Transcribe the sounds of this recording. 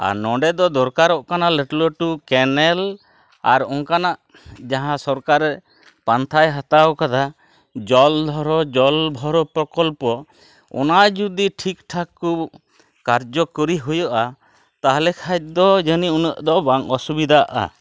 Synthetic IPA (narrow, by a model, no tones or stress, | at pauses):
a̰ɾnɔɖɛd̪ɔd̪ɔɾkaɾɔʔkanaləʈləʈukɛnɛl | a̰ɾɔŋkanaʔ | d͡ʒaɦãsɔɾkaɾɛ | pant̪ʰajɦat̪awkad̪a | d͡ʒɔld̪ʱɔɾɔd͡ʒɔlb̪ʱɔɾɔpɾɔkɔlpɔ | ɔ̰nad͡ʒud̪iʈʰikʈʰaku | kaɾd͡ʒɔkɔɾiɦujɔʔa | t̪aɦalɛkʰat̚d̪ɔd͡ʒəniunəʔd̪ɔbaŋɔsubid̪ʱaʔa̰